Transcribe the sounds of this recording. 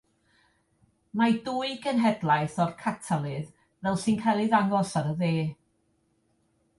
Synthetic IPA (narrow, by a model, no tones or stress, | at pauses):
maduɨɡənɦɛdlˠajθɔrkʰatʰalˠɨð | vɛlˠsɨnkʰajlˠɨðaŋɔsaɾəðeː